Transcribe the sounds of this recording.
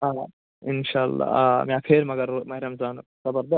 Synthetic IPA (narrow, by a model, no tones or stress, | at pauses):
aː | ɪnʃaːlːa̰mẽɐkʰeːɾmɐɡɐɾmɐɦɾɐmzaːnsɐbɐɾd̪ɐ